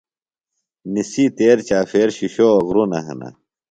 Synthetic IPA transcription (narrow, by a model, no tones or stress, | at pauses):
nisit̪eːɾt͡ɕaːfeːɾɕiɕoɐɣɾunɐɦɐ̰nɐ̰